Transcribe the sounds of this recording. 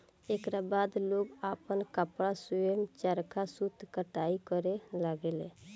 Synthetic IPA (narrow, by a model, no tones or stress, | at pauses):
ekɾabad̪loɡapənkəpɽasuemt͡ʃəɾkʰasut̪kəʈaikəɾelaɡele